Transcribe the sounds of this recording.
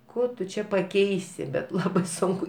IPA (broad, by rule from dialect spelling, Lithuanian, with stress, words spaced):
ˈkoː tʊ ˈt͡ʃʲɛ pɐˈkʲɛɪsʲɪ bʲɛt ˈlˠɑːbɐɪ ˈsʊŋkʊ